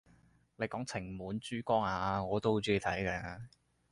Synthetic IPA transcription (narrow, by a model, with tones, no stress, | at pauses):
le˨˧jkɔː˨˥ŋt͡sʰɪ˨˩ŋmuː˨˧nt͡ʃyː˥kɔː˥ŋaː˧ŋɔː˨˧t̪o˥who˧˥t͡siː˥i˧˩t̪ʰɐ˨˥jkɛː˧